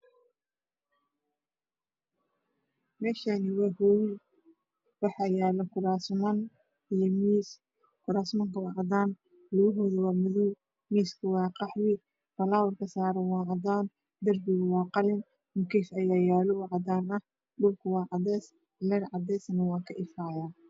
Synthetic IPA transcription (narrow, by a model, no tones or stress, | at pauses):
mɛːʃanɪwɑːhɔw | wɑħɑjaːlɐkʰʊɾaːsmɐn | ijɔmis | kʰʊɾaːsmɐŋkʰɐwɑʕɑd̪aːn | lʊɣʊɦɔðɐwaːmʊðuː | miːskʰʊwɑːqɑħwɪ | fɐlaːwɐrkʰɐsaːɾɛwɑːʕɑd̪aːn | d̪ɐrbɪɣʊwɑːqɑlɪn | mʊkʰisɐjaːjaːlɔwɑʕɑd̪aːnɐh | ɖʊlkʰʊwɑːʕɑdɛs | lɛɾʕɑd̪ɛːsɐnɐwɑːkʰɐʔɪfaːjaː